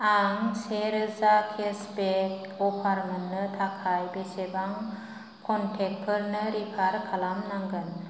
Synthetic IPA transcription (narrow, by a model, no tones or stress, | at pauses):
aŋseɾɯzakʰesbek̚ | ɔpʰaɾmɯnːɯtʰakʰajbesebaŋ | kʰɔntʰek̚pʰɯɾnɯɾipʰaɾkʰalamnaŋɡɯn